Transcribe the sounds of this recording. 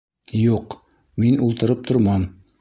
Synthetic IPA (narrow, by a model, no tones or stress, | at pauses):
juq | minulˠt̪ɤ̆ɾɤp̚t̪ʰoɾmɑn